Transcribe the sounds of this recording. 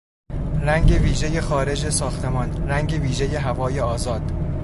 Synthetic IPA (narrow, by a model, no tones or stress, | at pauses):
ræŋɟe̞viːʒe̞je̞xɒːɾe̞d͡ʒesɒːxt̪ʰe̞mɒːnræŋɟe̞viːʒe̞je̞ɦævɒːje̞ɒːzɒːd̪̥